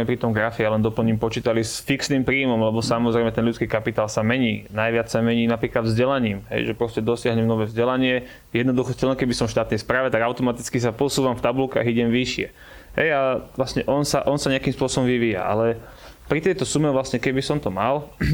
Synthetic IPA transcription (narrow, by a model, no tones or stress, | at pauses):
ɛpɾit̪ɔmɡɾafijalɛnd̪ɔpl̩ɲiːmpɔt͡ʃiːt̪alisfiksniːmpɾiːmɔmlɛbɔsamɔzɾɛjmɛt̪ɛnlʎut͡skiːkapit̪aːlsamɛɲiːnajʋɪat͡ssamɛɲiːnapɾiːklad̪vzɟɛlaɲiːmɦɛ̰jʒɛpɾɔscɛd̪ɔsɪaɦɲɛmnɔʋɛːvzɟɛlaɲɪɛ | jɛd̪nɔd̪uxɔscɛlɛnkɛbisɔmfʃt̪aːt̪nɛjspɾaːʋɛt̪aɡaʊt̪ɔmat̪it͡skis̬apʊɔsuːʋamft̪abulka̰ːɣiɟɛmʋiʃɪɛ̰ | ɦɛ̰jaʋlasɲɛʔɔnsaʔɔnsaɲɛakiːmspʊɔsɔbɔ̃mʋiʋiːja̰ʔa̰lɛ | pɾit̪ɛjt̪ɔsumɛvlasɲɛkɛbisɔmt̪ɔmal